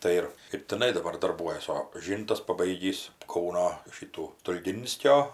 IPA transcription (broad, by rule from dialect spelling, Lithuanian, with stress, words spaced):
ˈtɐɪ ɪr ɪr tʲɪˈnɐɪ dɐˈbɐr dɐrˈbuɔjɛs oː ˈʒʲiːntɐs pɐˈbɐɪɡʲiːs ˈkɐʊnoː ˈʃʲiːtuː stʊlʲˈɡʲɪnʲsʲkʲoː